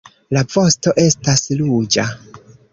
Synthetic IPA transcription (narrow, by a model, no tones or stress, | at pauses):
lavo̞sto̞ʔe̞staslud͡ʒa